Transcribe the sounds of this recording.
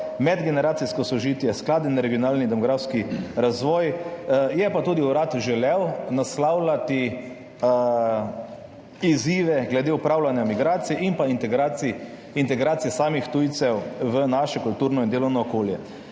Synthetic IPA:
mɛd̪ɡɛnɛɾaːt̪siskɔsɔʒiːt̪jɛsklaːd̪inaɾɛɡijɔnaːlnid̪ɛmɔɡɾaːfskiɾazʋɔːjjɛpat̪uːd̪iuɾaːt̪ʒɛlɛwnaslawlat̪i | iziːʋɛɡlɛd̪eupɾawlanjamiɡɾaːt̪siɛinpaint̪ɛɡɾai | int̪ɛɡɾaːt̪sijɛsaːmixt̪ujt̪sɛwʋənaʃɛkult̪uːɾnɔind̪eːlɔwnɔːkoːljɛ

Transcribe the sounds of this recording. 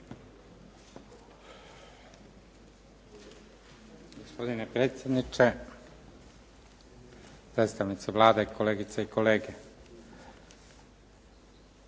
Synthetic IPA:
ɡospo̞d̪inepɾeːt̪sje̞d̪nit͡ʃe | pɾet̪st̪aʋnit̪seʋlˠaːd̪eikʰo̞leːɡit̪seiko̞leːɡe

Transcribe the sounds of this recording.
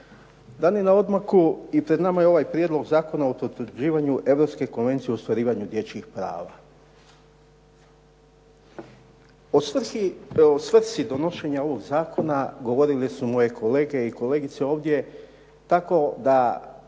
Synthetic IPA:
d̪anienao̞d̪makuipɾe̞d̪namajeo̞ʋajpɾjed̪lˠo̞ɡzaːko̞naopɾot̪ɾud͡ʒiːʋaɲuʔe̞ʋɾo̞pske̞ko̞nʋe̞nt̪sijeost̪ʋaɾiːʋaɲud̪je̞t͡ɕkixpɾa̰ːʋa̰ | osiosʋr̩t̪sid̪o̞no̞ʃe̞ɲao̞ʋo̞ɡzaːkʰo̞naɡo̞ʋo̞ɾilesumo̞je̞kʰo̞le̞ːɡe̞iko̞le̞ːɡit̪seo̞ːʋd̪je̞ | t̪ako̞d̪a

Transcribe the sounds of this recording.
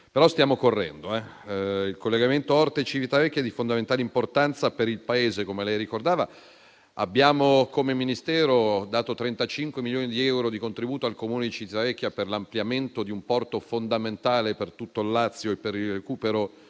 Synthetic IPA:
peɾɔst̪jaːmokorːɛ̰nd̪oɛilkolːeɡament̪oɔrt̪et͡ʃivit̪avɛkʲːjad̪ifond̪ament̪aleimport̪ant̪sapeɾilpaeːzekomelɛjɾikord̪aːva | a̰bːjaːmokomeminist̪ɛːɾod̪aːt̪ot̪ɾɛnt̪at͡ʃiŋkwemiljoːnid̪iɛwɾod̪ikont̪ɾibuːt̪oalkomuːned̪it͡ʃivt̪avɛkʲːjaperlampljament̪od̪iumpɔrt̪ofond̪ament̪aːlepert̪ut̪ːolːat̪sːjoepːeɾilrekuːpeɾo

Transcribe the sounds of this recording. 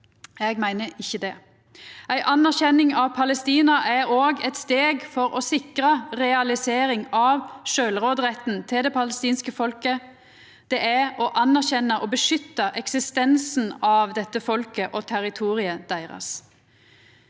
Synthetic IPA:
ɛɡmæɪnəɪçːəd̪ɛ | æɪʔɑnːæʁçɛnɪŋɑʋpʰɑləst̪iːnɑʔæɾoːɡɛt̪st̪eːɡfɔɾɔsɪkʁɑʁɛɑlɪseːɾɪŋɑʋʃøːlʁoːd̪ʁɛt̪n̩t̪ʰɪld̪ɛpʰɑləst̪iːnskəfɔlkə | d̪̥ɛʔæɔʔɑnæʁçɛnəʔɔbəʂʏt̪ːəʔɛksɪst̪ɛnsn̩ɑʋd̪ɛt̪ːəfɔlkəʔɔt̪ʰæʁɪt̪ʰuːʁɪəd̪̥æɪʁɑ̰s

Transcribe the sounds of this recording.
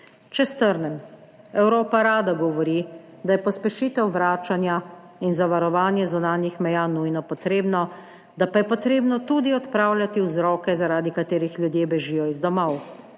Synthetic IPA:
t͡ʃɛst̪əɾnɛm | ɛwɾoːpaɾaːd̪aɡɔʋɔɾi | d̪ajɛpɔspɛʃiːt̪ɛwʋɾaːt͡ʃanja | inzaʋaɾɔʋaːnjɛzunaːnjixmɛjaːnujnɔpɔt̪ɾeːbnɔ | d̪apajɛpɔt̪ɾeːbnɔt̪ud̪iɔt̪pɾaːwlʲjat̪iwzɾɔːkɛzaɾaːd̪ikat̪eːɾixljud̪jeːbɛʒijɔizd̪ɔmɔw

